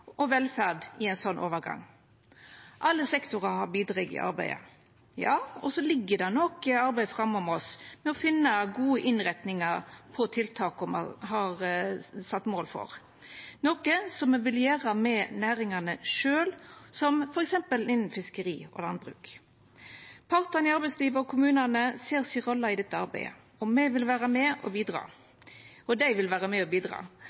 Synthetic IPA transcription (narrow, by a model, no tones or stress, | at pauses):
ʔɔʋɛlfæʁd̪ɪɛɪnsɔnːʔo̰ːʋəɾɡɑ̰ŋː | ʔɑlːəsɛkt̪ʊʁɑhɑɾbiːd̪ɾɑɡɪ̰ʔɑ̰ɾbæ̰ɪə̰ | jɑːɔsɔlɪɡːəd̪ɛnɔkəɑɾbæɪfɾɑmːɔmɔsmɛɔfɪnːəɡuːəʔɪnɾɛt̪nɪŋɑɾpʰɔt̪ʰɪlt̪ʰɑːkʊmɑ̰ɦɑɾsɑt̪ːmoːlfɔ̰ɾ | nɔkəsɔmɛʋɪljæːʁɑmɛnæːɾɪŋɑnəʂøːlsɔmfɔɾɛksɛmpəlɪnːn̩fɪskəɾḭːɔ̰lɑnd̪bɾʉ̰ːk | pʰɑɾt̪ɑnɪɑɾbɛɪsliːʋəɔkʰʊmʉːnɑnəseːɾsiɾɔlːɑɪd̪ɛt̪ːəɑɾbæ̰ɪə̰ | ɔmːɛʋɪlʋæːɾəmɛʔɔbiːd̪ɾɑ̰ː | ɔd̪æɪʋɪlʋæːɾəmɛɔbiːd̪ɾɑ̰ː